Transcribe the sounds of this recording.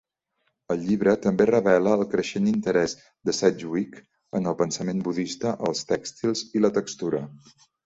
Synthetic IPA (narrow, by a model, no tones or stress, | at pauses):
əlˠʎiβɾət̪əmberəβɛləːlˠkɾəʃenint̪əɾɛz | d̪əsɛd͡ʒuwik | ənəlˠpənsəmenbuðist̪əʔəlˠst̪ɛkst̪ilˠzilət̪əkst̪uɾə